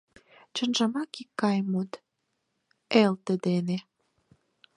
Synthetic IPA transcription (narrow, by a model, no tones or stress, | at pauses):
t͡ɕə̆nʒɑmɑkikːɑjmut̪ | elt̪əd̪ene